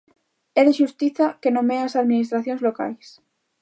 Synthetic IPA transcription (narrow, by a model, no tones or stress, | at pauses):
eðeʃust̪iθakenomeasaðminist̪ɾaθjonzloka̰js